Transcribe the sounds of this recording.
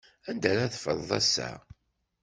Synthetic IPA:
ænd̪æɾæθfə̰ðˤðˤæ̰sːæ̰

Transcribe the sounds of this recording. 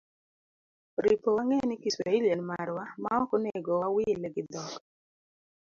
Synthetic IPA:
ɾipowaŋɛnɪkisɾailjanmaɾwamaɔkɔneɡɔwawɪlɛɡɪd̪ɔk

